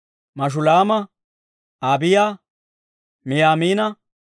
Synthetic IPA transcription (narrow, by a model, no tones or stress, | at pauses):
mɐʃ̬ʊlaːmɐ | aːbɪja | mɪjaːmiːnɐ